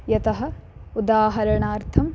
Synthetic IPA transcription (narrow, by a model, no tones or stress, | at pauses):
jɐt̪ɐɦɐ̆ud̪aːɦɐɾɐɳaːɾt̪ʰɐm